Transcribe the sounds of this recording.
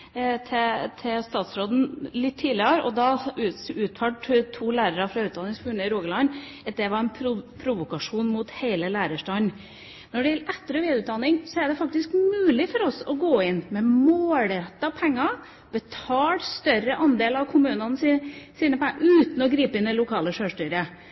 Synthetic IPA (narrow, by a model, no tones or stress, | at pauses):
t̪ʰɛt̪ʰɛst̪ɑːt̪sɾoːd̪n̩lɪt̪ʰːiːlɪəɾɔd̪ɑʉʉːt̪fʰɑʈt̪ʰːuːlæːɾəɾɑfɾɑʉːt̪̚d̪ɑnɪŋsfʉɳəɪɾoːɡəlɑnː | ɑt̪̚d̪ɛʋɑɾɛnpʰɾʊpʰɾʊʋʊkɑʂuːnmʊt̪heɪləlæːɾəʂʈɑːn | nɔɖɛjɛlɛt̪ːəɾɔʋeːd̪ʉːt̪̚d̪ɑnːɪŋsɔæɖɛfɑk̚t̪ɪskmʉːlɪfɔɾɔsɔɡoːɪnmɛmoːlɛt̪ːɑpʰɛŋːɑ | b̥ət̪ʰɑːlst̪œɾəʔɑnd̪eːlɑʋkʰʊmʉːnɑnəssiːnəpʰɛŋʔʉːt̪n̩ɔɡɾiːpəɪnd̪ɛlʊkʰɑːləʂøːʂʈyɾə